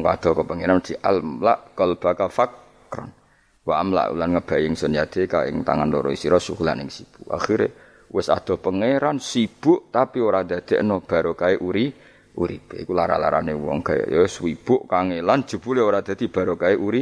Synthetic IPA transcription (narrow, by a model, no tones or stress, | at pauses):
ŋkad̪̥ɔ̤kəpəŋeɾand̪̥iʔalmlaʔkɔlb̥akafakː | ɾɔ̰n | waʔmla̰ʔṵlanŋəb̥a̤jɪŋsənjad̪̥ekaɪ̰ŋt̪a̰ŋant̪oɾɔist̪iɾɔsṵkula̰nɪŋsib̥uʔa̰xiɾḛ | wɪsa̰d̪̥ɔ̤pəŋeɾansib̥ʊʔt̪apioɾad̪̥a̤d̪̥eʔənɔb̥a̤ɾokaeʔuɾi | uɾib̥eikulaɾa̰laɾa̰newɔ̰ŋɡ̥aj̰joswib̥ʊʔkaŋeland̥ʒ̥ṳb̥uleoɾad̪̥a̤d̪̥i̤b̥a̤ɾokaeʔuɾi